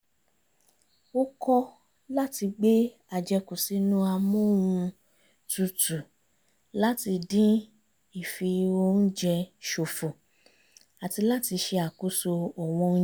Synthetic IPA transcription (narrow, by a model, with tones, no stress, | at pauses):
o˦kɔ˦ | la˦ti˧ɡ͡be˦ | a˨d͡ʒɛ˧ku˨si˨˦nũ˦a˧mõ˦˨wũ˧ | tu˨˧tu˨ | la˦ti˧dĩ˦ | i˦˨fi˧o˧n̩˦d͡ʒɛ˧ʃo˨fo˨ | a˨ti˧la˦ti˧ʃe˧a˨ku˨˦so˧ɔ˨w̃ɔ̃˧˦